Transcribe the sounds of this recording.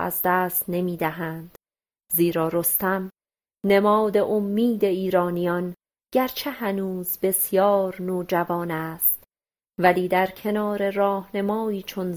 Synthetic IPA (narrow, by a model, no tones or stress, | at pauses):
æ̰zd̪æːst̪ne̞miːd̪æɦænd̪̥ | ziːɾɒːɾo̞st̪æm | ne̞mɒːd̪e̞ʔomːiːd̪e̞iːɾɒːnijɒn | ɟ̥æɾt͡ʃʰe̞hænuːzbe̞sjɒːɾnoːd͡ʒævɒːnæːst̪ | væliːd̪æɾcʰe̞nɒːɾe̞ɾɒːhnemɒːiːt͡ʃʰon